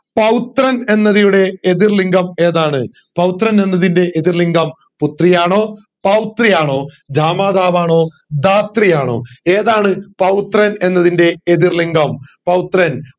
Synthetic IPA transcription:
pɐwt̪rɐne̞nːɐðijuɽe̞ːðirliŋɡɐme̞ːðaːɳɨ | pɐwt̪rɐne̞nːɐðinde̞ʔeðirliŋɡɐm | put̪rijaːɳo̞ː | pɐwt̪rijaːɳo̞ː | d͡ʑʱaːmaːd̪aːʋaːɳo̞ː | d̪aːt̪rijaːɳo̞̰ːeːðaːɳɨpɐwt̪rɐne̞nːɐðinde̞ːðirliŋɡɐmpɐwt̪rɐn

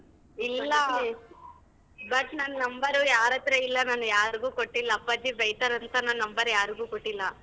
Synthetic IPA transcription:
ilːɐ | bɐʈnɐnːɐnɐmbɐɾujaːɾɐt̪ɾeilːɐnanujaːɾiɡuːkoʈːilːɐːpːɐd͡ʒibɐjt̪ɐɾɐnt̪ɐnɐnnɐmbɐɾjaːɾiɡuːkoʈːilːɐ

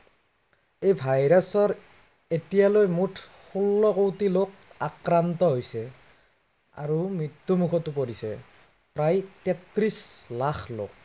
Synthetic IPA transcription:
ejbʱajɹasɔɹ | etijalojmutʰ | xulːɔkowtilok̚akɹantɔɦojsɛ | a̰ɹumɹit̪ːumukʰɔtup̬oɹisɛ̰ | pɹajtɛt̪rislaxlo̰k̚

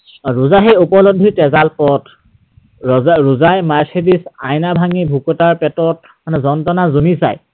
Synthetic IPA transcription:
ɹuzaɦejupɔlodʱitɛzalpɔt | ɔɹuzajmaɹsedisa̰jnabʱaŋibʱukɔtaɹpɛtɔt̚ | manɛzɔntɔnazunisa̰j

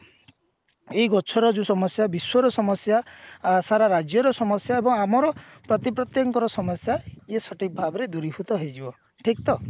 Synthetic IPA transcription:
eiɡɔt͡ʃʰɔɾɔd͡ʒũsɔmɔsjabiswɔɾɔsɔmɔsjasaɾaɾad͡ʒjɔɾɔsɔmɔsjaebɔŋamɔɾɔ | pɾɔt̪ipɾɔt̪jɔŋkɔɾɔsɔmɔsjaesɔʈik̚bʱabɔɾed̪uɾibut̪ɔɦejd͡ʒibɔ | ʈʰik̚t̪ɔ

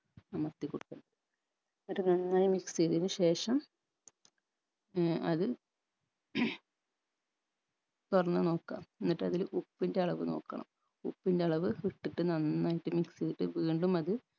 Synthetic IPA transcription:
ɐmɐst̪ikːoɽukːuɳɖɐðɨ | mːɐʈːɨnɐnːaːjimiksijðinɨɕe̞ːʂɐm | ɐðɨ | t̪orɐnːɨno̞ːkːa̰ːmenːiʈːɨɐðilupːinde̞ɐɭɐʋɨno̞̰ːkːɐ̰ɳɐ̰m | upːindeɐɭɐʋɨhiʈːiʈːɨnɐnːaːjiʈːɨmːiksiðiʈːɨʋiːɳɖumɐðɨ

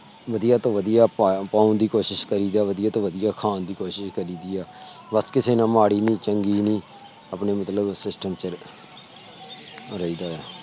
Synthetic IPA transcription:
ʋəd̪ijaːt̪õːʋəd̪ijaːpːpaːũːnd̪iːkoːʃɪʃkəɾiːd̪aːʋəd̪ɪjaːt̪õːʋəd̪ɪjaːkʰaːnd̪iːkoːʃɪʃkəɾiːd̪iːaːbəskɪseːnãːmaːɽiːnĩːt͡ʃəŋɡiːnĩː | əpneːmət̪ləbsɪsʈəmt͡ʃə | ɾəiːd̪aːjaː

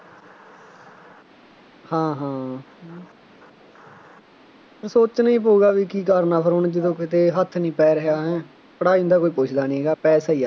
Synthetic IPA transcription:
hãːɦãː | pəɾsoːt͡ʃnĩːpoːɡaːʋiːkiːkaːɾnaːpʰəɾʊɳd͡ʒɪd̪õːkɪt̪eːɦət̪ʰːnĩːpɛːɾəɦjaːɦɛ̃ː | pəɽaːiːnd̪aːkoːiːpoːt͡ʃʰd̪aːnĩːeːɡaːpɛːsaːiːaː

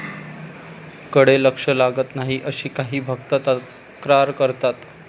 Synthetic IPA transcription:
kəɽeləkʂəlaɡət̪naɦiːʔəɕiːkaɦiːbʱək̚t̪ət̪a | kɾaɾkəɾt̪at̪

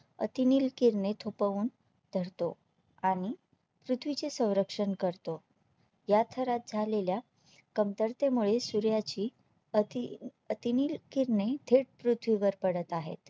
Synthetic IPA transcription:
ə̰t̪iniːlkiɾɳet̪ʰopəuːn | d̪ʱəɾt̪o | aɽ̃i | pɾut̪ʰʋit͡sesə̃w̃ɾəkʂəɳkəɾt̪o | jat̪ʰəɾat̪̚d͡zʱalelja | kəmt̪əɾt̪emuɭesuɾjat͡ɕiː | ət̪iniːlkiɾɳed̪ʱeɽ̚pɾut̪ʰʋiʋəɾpəɽət̪aɦḛt̪

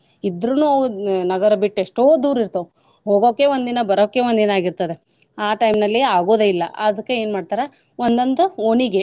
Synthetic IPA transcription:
id̪ɾununɐɡɐɾɐbiʈːeʂʈoːd̪uːɾiɾt̪ɐ | ɦoːɡoːkːe̞ʋond̪inɐbɐɾoːkːe̞ʋond̪inɐaːɡiɾt̪ɐd̪e̞ | aːʈɐjmnɐlːiaːɡoːd̪eilːɐ̰ʔɐd̪ɐkːeeːnmaːɖt̪aːɾɐ | ond̪ɐnt̪uoniɡe̞

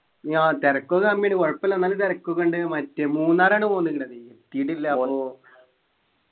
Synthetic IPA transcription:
aːt̪eɾɐkːokɐmːjeɳikoɻɐpːɐlːonːaːlt̪eɾɐkːokːoɳɖɨmɐtːemuːnːaːɾaːɳɨpoːnːɨkːiʈːɐðit̪ːiːʈilːɐɐo

